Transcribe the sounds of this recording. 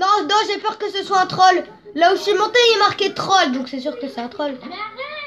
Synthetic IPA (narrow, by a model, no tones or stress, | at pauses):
nɔ̃nɔ̃ʒepœʁkəsəswaɛ̃t̪χɔlː | ausɥimɔ̃t̪eiɛmaʁkʲet̪χɔld̪ɔ̃ksɛsyʁkəsɛɛ̃t̪χɔl